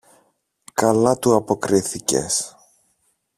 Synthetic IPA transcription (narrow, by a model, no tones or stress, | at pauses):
kɐlɐt̪uɐpo̞kɾiθice̞̰s